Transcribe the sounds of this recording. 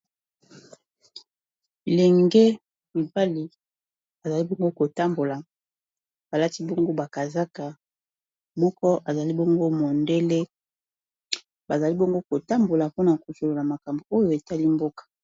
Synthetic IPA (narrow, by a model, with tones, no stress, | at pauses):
i˨lɛ˨ŋɡe˦ | mi˨ba˦li˨ | a˨za˨li˦bɔ˦ŋɡo˦ko˨ta˦mbo˨la˨ | b̥a˨la˦ti˦bɔ˦ŋɡo˦ba˨ka˨za˦ka˨ | mɔ˦kɔ˦ʔa˨za˨li˦bɔ˦ŋɡo˦mo˨nde˦le˦ | ba˨za˨li˦bɔ˦ŋɡo˦ko˨ta˦mbo˨la˨po˦na˨ko˨so˨lo˨la˨ma˨ka˨mbo˨o˦jo˨e˨ta˦li˦mbo˦kḁ˨